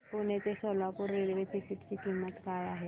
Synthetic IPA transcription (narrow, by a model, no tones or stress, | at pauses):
koːnetesoːlakoɾeːlʋeʈʰikɪʈkikiːmːət̪kaːjaɦɛː